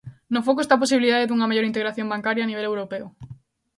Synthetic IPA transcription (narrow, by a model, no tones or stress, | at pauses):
nʊfok̬oest̪ap̬os̬iβiliðaðeðuŋɐmeʝoɾint̪̬eɣɾaθjõmbaŋkaɾjaːniβ̞elewɾopeʊ